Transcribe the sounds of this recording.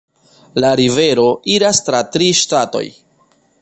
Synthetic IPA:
laɾive̞ɾo̞iɾastɾatɾiʃtato̞̰j

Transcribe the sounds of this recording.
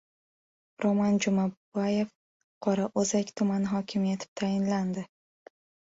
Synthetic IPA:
ɾomand͡ʒʊmabaje̞f | qʰɒɾaʔozakʲt̪ʰʊmanɪɦɒkʲʰɪmjat̪ʰɪ̥p̚t̪ʰajɪnland̪ɪ

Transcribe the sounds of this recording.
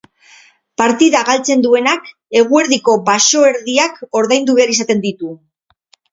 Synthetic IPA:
paɾt̪iðaɣalt͡se̞nd̪ue̞nak | e̞ɣ̞ue̞ɾðiko̞baso̞e̞ɾðiako̞ɾðajnd̪uβe̞aɾisat̪e̞nd̪it̪u

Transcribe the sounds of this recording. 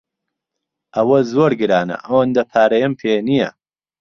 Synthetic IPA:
ʔɐwɐzoːɾɡɨɾaːnɐ̰ʔɐwɐnd̪ɐpʰaːɾɐjɐmpʰenijɐ

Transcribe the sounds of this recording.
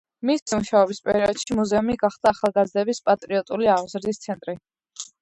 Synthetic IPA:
mismuʃaɔbispʼɛ̰ɾiɔd̪̥ʃimuzɛumiɡaχd̪aːχalˠɡazd̪ɛbispʼat̪ʼɾiɔt̪ʼuliaʁzɾd̪ist̪sʰɛnt̪ʼɾi

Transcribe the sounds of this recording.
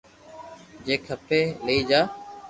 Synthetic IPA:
d͡ʒeːkʰəpeːləiːd͡ʒaː

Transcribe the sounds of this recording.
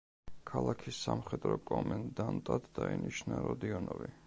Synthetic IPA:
kʰalˠakʰisːamχɛd̪ɾɔkʼɔmɛnd̪ant̪ʼat̪d̪ainiʃnaɾɔd̪iɔnɔvi

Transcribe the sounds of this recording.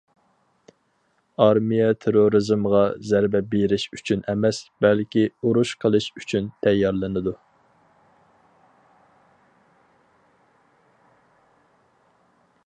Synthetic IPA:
ɑɾmijɛt̪ʰeɾoɾɨzmʁɑzæɾbɛbeɾɪʃyt͡ʃʰynɛmɛsbɛlkʲiuɾuʃqʰəlˠɨʃyt͡ʃʰynt̪ʰɛjːɑɾlˠɨnɨd̪u

